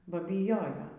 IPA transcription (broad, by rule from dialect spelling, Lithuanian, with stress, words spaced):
ˈbɐ bʲiːˈjoːjoː